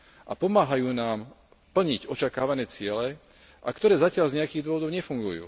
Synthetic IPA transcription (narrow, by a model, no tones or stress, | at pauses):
ʔa̰pɔmaːɦajuːnaːm | pl̩ɲiɟɔt͡ʃakaːʋanɛːt͡sɪɛlɛ | ʔa̰kt̪ɔɾɛːzacɪaʎzɲɛakiːɣd̪ʊɔʋɔd̪ɔʊɲɛfuŋɡujṵː